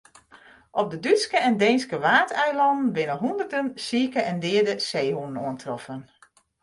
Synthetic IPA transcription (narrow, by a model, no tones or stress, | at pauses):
ʔɔp̚dədyskəɛndejnskəʋaːtɛjlɑndn̩bɪnəɦundərdənsiːkəʔɛndɪːədəseːhunənuəntrɔfən